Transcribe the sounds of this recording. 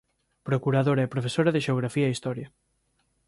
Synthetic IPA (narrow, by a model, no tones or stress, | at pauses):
pɾokuɾaðoɾaɛpɾofesoɾɐðeʃeoɣ̞ɾafiɐist̪ɔɾjɐ